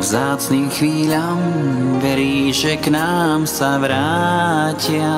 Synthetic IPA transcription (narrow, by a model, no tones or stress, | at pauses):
vzaːt͡sniːmxʋiːʎaːmʋɛɾiːʒɛknaːmsaʋɾaːcɪa